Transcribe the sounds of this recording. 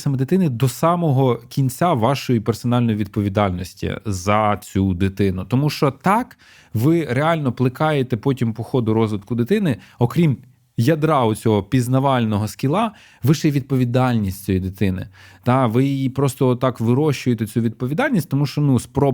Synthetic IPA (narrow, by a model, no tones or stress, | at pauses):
sɐmɛd̪ɪt̪ɪnɪd̪ɔsɑmɔɦɔkʲinʲt͡sʲaʋɑʃɔjipersɔnɑlʲnɔjiʋʲid̪̚pɔʋʲid̪ɑlʲnɔsʲtʲḭzɐt͡sʲud̪ɪt̪ɪnʊt̪ɔmuʃt͡ʃɔt̪ɑk | ʋɪɾeɑlʲnɔplˠɪkɑjet̪ɛpɔtʲimpɔxɔd̪ʊɾɔzʋɪd̪kʊd̪ɪt̪ɪnɪɔkɾʲim | jɐd̪ɾɑʊt͡sʲɔɦɔpʲiznɐʋɑlʲnɔɦɔskʲilˠɑ | ʋɪʃɛjʋʲid̪̚pɔʋʲid̪ɑlʲnʲisʲtʲt͡sʲɔjid̪ɪt̪ɪnɪ̰t̪ɑʋɪjjipɾɔst̪ɔɔt̪ːɑkʋɪɾɔʃt͡ʃʊjet̪et͡sʲuʋʲid̪̚pɔʋʲid̪ɑlʲnʲisʲtʲt̪ɔmuʃt͡ʃɔnuspɾɔ